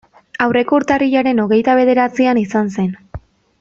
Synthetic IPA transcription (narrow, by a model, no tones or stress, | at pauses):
awre̞kouɾt̪ariʎaɾe̞no̞ɣe̞jt̪aβ̞e̞ð̞e̞ɾat͡sianisanse̞n